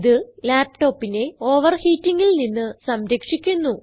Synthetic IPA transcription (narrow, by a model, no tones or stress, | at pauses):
ðɨlaːpʈo̞ːpːine̞o̞ːʋɐrhiːtːiŋːilninːɨsɐmɾɐkʂikʲːunːu